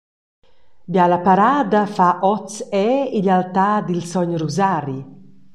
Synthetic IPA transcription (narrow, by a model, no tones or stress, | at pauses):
bjalapaɾaːd̪afaʔɔt͡sɛiʎalt̪aːd̪ilsɔɲɾuzaːɾi